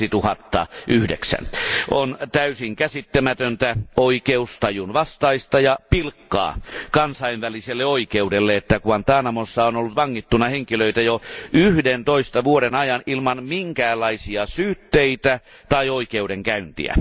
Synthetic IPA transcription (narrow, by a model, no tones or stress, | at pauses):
it̪uhɑt̪ːɑ̰ʔyhdḛksæ̰nʔont̪æysiŋkæsit̪ːæmæt̪ønt̪æoikeust̪ɑjunʋɑst̪ɑist̪ɑjɑpilkːɑ̰ːkɑnsɑiʋʋæliselːeoikeudelːeet̪ːækuɑnt̪ɑːnɑmosːɑonolːut̪ʋɑŋːit̪ːunːˑɑheŋkiløit̪æjoʔyhdent̪oist̪ɑʋuoɾenɑjɑnʔilmɑnmiŋkæːlːˑɑisiɑsyːt̪ːeit̪æ | t̪ɑioikeudeŋkæynt̪ḭæ̰